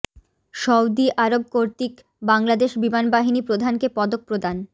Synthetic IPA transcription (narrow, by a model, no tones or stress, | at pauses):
ʃɔwd̪iʔaɾob̚koɾt̪ik | baŋlad̪eʃbimanbaɦinipɾod̪ʱankepɔd̪ok̚pɾod̪an